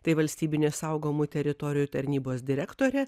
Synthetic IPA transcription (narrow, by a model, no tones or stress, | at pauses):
t̪ɐɪʋɐlʲsʲt̪ʲiːbʲɪnʲeːsɐʊɡoːmut̪ʲɛɾʲɪt̪ɔːɾʲɪjut̪ɐɾʲnʲiːboːsd̪ʲɪɾʲækt̪oːɾʲɛ